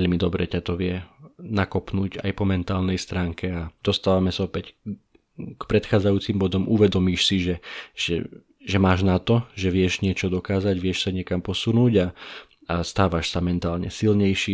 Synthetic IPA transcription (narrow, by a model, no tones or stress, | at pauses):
ɛʎmid̪ɔbɾɛ̰cat̪ɔʋɪɛnakɔpnuːɟa̰jpɔmɛnt̪aːlnɛjst̪ɾaːŋkɛad̪̥ɔst̪aːʋamɛsaɔpɛc | kpɾɛt̪xaːd͡zajuːt͡simbɔd̪ɔmuʋɛd̪ɔmiːʃsiʒɛʒ̥ɛ̰ | ʒɛmaːʒnat̪ɔʒɛʋɪɛʒɲɪɛt͡ʃɔd̪ɔkaːzaɟʋɪɛʃsaɲɪɛkampɔsunuːɟa | ast̪aːʋaʃsamɛnt̪aːlɲɛ̰silɲɛjʃi